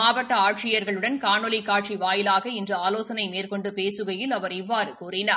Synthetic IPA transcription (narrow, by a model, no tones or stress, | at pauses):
maːʋɐʈːɐaːʈ̚t͡ʃɪjɐɾɣɐɭɯɽɐnkaːɳɔlikaːʈ̚t͡ʃiʋaːjɪlaːɣɐɪndrɐaːloːsɐnɐɪmeːrkɔɳɖɯpeːsɯɣɐjɪlɐʋɐɾɪʋːaːɾɯkuːrɪnaː